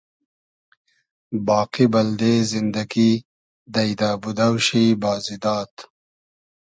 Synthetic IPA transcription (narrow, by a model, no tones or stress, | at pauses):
bɑːqibɐld̪ezɪnd̪ɐɡi | d̪ɐjd̪aːbud̪awʃibɑːzid̪ɑːt̪